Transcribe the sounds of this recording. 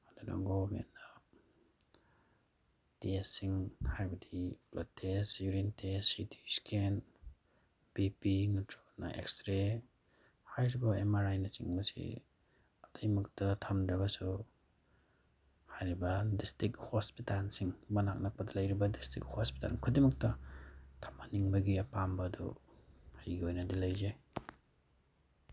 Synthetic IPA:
aduna̰ŋɡobḛnːa | tesːiŋhajbɐdiblatʰesjuɾintesitʰiskʰen | bipinutʰɾona̰ʔḛkstɾe | hajɾibɐemaɾajnɐsiŋmɐsḭ | ɐtɐjmɐk̚tɐtʰɐmdɐbɐsu | hajɾibɐdistɾik̚hospitalsiŋmɐnak̚nɐk̚pɐdɐlɐjɾibɐdistɾḭk̚hospi̥ta̰lkʰudimɐk̚tɐtʰɐmaniŋbɐɡiɐpambɐdṵ | hajɡiojnɐdilɐjzej

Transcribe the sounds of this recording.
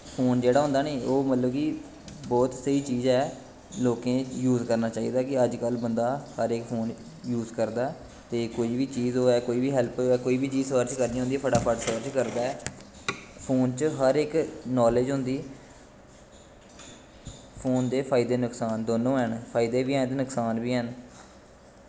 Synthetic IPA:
pʰoːnd͡ʒeːɽaːɦʊ̃nd̪aːneːoːmət̪ləbkɪ | bɔːt̪səiːt͡ʃiːzɛː | loːkẽːjuːzkəɾnaːt͡ʃaːiːd̪aːkɪəd͡ʒkəlbənd̪aːhəɾɪkpʰoːn | juːzkəɾd̪aː | t̪eːkoːiːʋiːt͡ʃiːzoːɛːkoːiːbiːɦɛːlpoɛːkoːiːbiːt͡ʃiːsəɾt͡ʃkəɾnĩːõnd̪iːpʰəʈaːpʰəʈsəːɾt͡ʃkəɾd̪aːɛː | pʰoːnt͡ʃɦəɾɪknɔːleːd͡ʒɦʊnd̪iː | pʰoːnd̪eːpʰaːɪd̪eːnʊksaːnd̪oːnõːənpʰaːɪd̪eːʋiːɛ̃ːnd̪enʊksaːnbiːɦən

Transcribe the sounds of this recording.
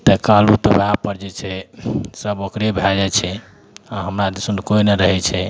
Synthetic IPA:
t̪əkalut̪əbʱapəɾd͡ʒet͡ʃʰɛsəbokɾebʱad͡ʒɛt͡ʃʰɛ | aɦəmɾad̪sunkoineɾəɦɛt͡ʃʰɛ

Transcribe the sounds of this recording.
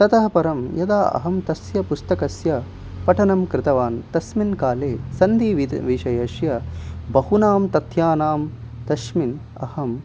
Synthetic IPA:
t̪ɐt̪ɐɦɐpɐɾɐmjɐd̪aːʔɐ̰ɦɐmt̪ɐsjɐpust̪ɐkɐsjɐ | pɐʈʰɐnɐmkɾɪt̪ɐʋaːnt̪ɐsminkaːleːsɐnd̪iːʋiʋiʃɐjɐʃjɐbɐhunaːmt̪ɐt̪ʰjaːnaːm | t̪ɐʃmin | ɐ̰hɐm

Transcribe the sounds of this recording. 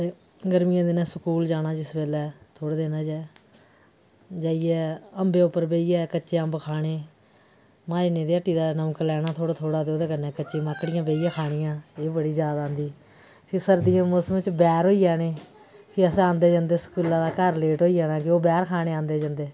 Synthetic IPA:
eː | ɡəɾmɪjãːd̪ɪnɛ̃ːsəkuːld͡ʒaːnaːd͡ʒɪsbeːlɛːt̪ʰoːɽeːd̪eːnãːd͡ʒɛː | d͡ʒaːiːɛːəmbeːʊpːəɾbeːiːɛːkəːt͡ʃːʃeːəmbkʰaːɽ̃eː | mãːinẽːd̪eːəʈːiːd̪aːnəːklɛːɽaːt̪ʰoːɽaːt̪ʰoːɽaːd̪eoːd̪eːkənɛːkət͡ʃʃeːmaːkːɽɪjãːbeːijãːkʰaːɽ̃ɪjãːeːbəɽiːzjaːd̪aːnd̪iː | pʰɪɾsəɾd̪ijãːmoːsmɪt͡ʃbɛːɾɦoːiːaːneː | pʰɪəsãːnd̪eːd͡ʒãːnd̪eːsə̥kuːlãːd̪aːkəɾleːʈɦoːiːd͡ʒaːnaːkɪoːbɛːɾkʰaːɽ̃eːãːnd̪eːd͡ʒãːnd̪eː

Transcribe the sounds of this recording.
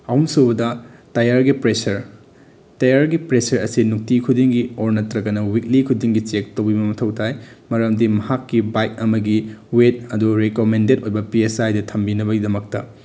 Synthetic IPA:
ɐwunsobɐdɐtɐjaɾɡipɾesɐɾ | tɐjaɾɡipɾesɐɾɐ̰sinuk̚tikʰudiŋɡioɾnɐtɾɐɡɐnɐwik̚likʰudiŋɡit͡ʃek̚towbibɐmɐtʰɐwtʰajmɐɾɐmdimɐhakːibajk̚ɐmɐɡiwet̚ɐduɾekomendet̚ojbɐpiesajdɐtʰɐmbinɐβɐɡidɐmɐk̚tɐ̰

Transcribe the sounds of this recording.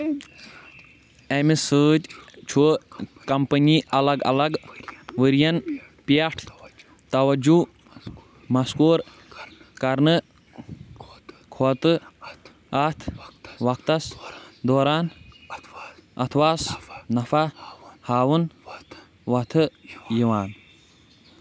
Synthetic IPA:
emisɨːt̪ʲt͡ʃʰukɐmpəniːɐlɐɡɐ̰lɐɡʋɨɾjɐn | piɐʈʰ | t̪ɐwɐd͡ʒu | mɐskuːɾ | kɐɾnɨ | kʰot̪ɨ | ɐt̪ʰʋɐkt̪ɐsd̪oːɾaːn | ɐ̰t̪ʰwaːsnɐfahaːwun | ʋɐt̪ʰɨjiʋaːn

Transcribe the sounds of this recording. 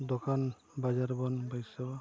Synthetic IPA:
d̪ɔkan | bazaɾbɔnbajsawa

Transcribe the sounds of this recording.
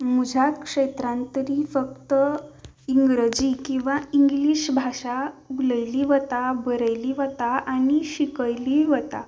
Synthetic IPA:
mud͡ʑʱakʂet̪ɾãnt̪əɾifək̚t̪ə | iŋɡɾəd͡ʑikĩw̃ʋaiŋɡliɕbʱaʂauɡləjliʋət̪abəɾəjliʋət̪aañiɕikəjliʋət̪a

